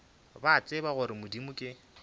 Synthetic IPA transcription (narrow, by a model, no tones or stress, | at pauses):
bat͡sʼɪbaɣʊɾɪmʊdimʊkʼɪ